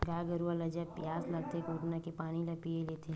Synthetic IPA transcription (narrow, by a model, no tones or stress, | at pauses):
ɡaːɡəɾualɐd͡ʒapjaːslɐɡ̚t̪ekoːʈnakepaːnilɐpieleːt̪ʰeɦ